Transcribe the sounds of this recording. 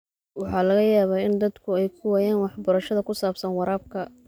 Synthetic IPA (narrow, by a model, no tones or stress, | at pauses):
wɑħɑːlɐɣɐjaːβaːɪnd̪ɐd̪kʰʊɛjkʰʊwaːjaːnwɑħbɐɾɐʃɐðɐkʰʊsaːbsɐnwɑɾaːb̚kʰɐ